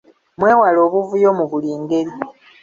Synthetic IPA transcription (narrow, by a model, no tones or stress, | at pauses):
mwe̞ːwalo̞ːβuvujo̞ːmuβuliːŋɡe̞li